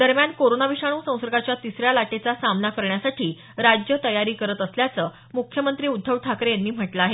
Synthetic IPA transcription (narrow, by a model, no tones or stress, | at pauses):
d̪̥əɾmjankoɾonaʋiʂaɽ̃uːsə̃w̃sɾɡat͡ɕjat̪isɾjalaʈet͡sasamnakəɾɳjasaʈʰiː | ɾad͡ʑjət̪əjaɾiːkəɾət̪əsljat͡səː | mukʰjəmənt̪ɾiːud̪ʱːəʋʈʰakɾjanːiːm̤əʈlaaɦe